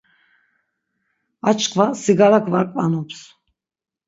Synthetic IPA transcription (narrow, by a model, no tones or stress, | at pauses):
at͡ʃʰʼkʰvasiɡalakʰvaɾkʼvanɔps